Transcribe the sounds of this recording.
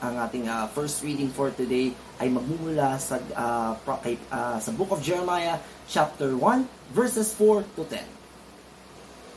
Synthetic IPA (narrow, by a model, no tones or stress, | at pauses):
ʔɐŋʔaːt̪ɪŋafɛɹst̪ɹid̪ɪŋfɔɹt̪ʊd̪ej | ʔɐjmɐɡ̚mumʊlasɐapɐkɐjasɐbʊkɐfd͡ʒɛɹɛmajɐ | t͡ʃap̚t̪ɛɹwɐ̃n | vɛɹsɛsfɔɹt̪ʊt̪ɛ̰̃n